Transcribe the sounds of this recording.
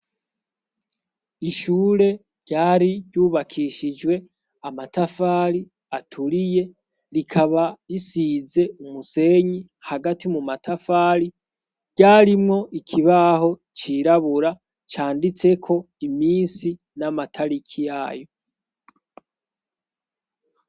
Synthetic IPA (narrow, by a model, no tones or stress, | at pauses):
iʃuːɾe̞ | ɾɟaːɾiβɟuːβakʰiʃid͡ʒwe̞ | amatafaːɾi | atʰuɾije̞ | ɾikʰaβaɾisize̞umuse̞ɲi | haɡatimumatʰafaːɾi | ɾɟ̥aːɾimŋo̞ʔikʰiβaho̞ | t͡ʃiɾaβuɾa | t͡ʃaːndit͡se̞kʰo̞ | imiːnsi | namatʰaɾikʰijaːjo̞